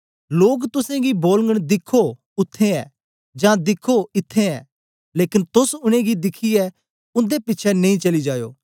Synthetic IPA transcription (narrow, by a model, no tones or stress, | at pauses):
loːɡt̪ʊsẽɡiboːlŋɡəɽ̃d̪ɪkʰːo | ʊt̪ʰːeɛ̰ː | d͡ʒãːd̪ɪkʰoɪt̪ʰːeɛː | leːkɪnt̪ʊsʊɽ̃ẽɡid̪ɪkʰiɛ | ʊ̃nd̪epɪtːt͡ʃʰɛnɐ̃ĩt͡ʃɐlid͡ʒaːjo̰ː